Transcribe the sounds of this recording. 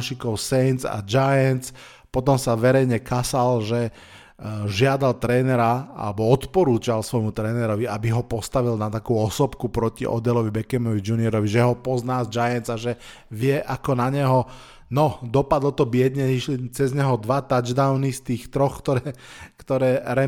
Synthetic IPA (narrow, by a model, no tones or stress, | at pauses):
ʃikɔʊsɛjnt͡sa̰d͡ʒajɛnt͡s | pɔt̪ɔmsaʋɛɾɛjɲɛkasalʒɛ | ʒɪad̪alt̪ɾɛːnɛɾaa̰lɛbɔɔt̪pɔɾuːt͡ʃalsʋɔjmut̪ɾɛːnɛɾɔʋiabiɦɔpɔst̪aʋilnat̪akuːɔsɔpkupɾɔciʔɔ̰d̪ɛlɔʋibɛkɛmɔʋid͡ʒuniɛɾɔʋiʒɛɦɔpɔznaːzd͡ʒajɛnt͡saʒɛ | ʋɪɛʔakɔnaɲɛɦɔ | nɔd̪ɔpad̪l̩t̪ɔbɪɛd̪ɲɛiʃlit͡sɛzɲɛɦɔd̪ʋat̪ad͡ʒd̪aʊnist̪iːxt̪ɾɔxkt̪ɔɾɛːkt̪ɔɾɛːɾɛ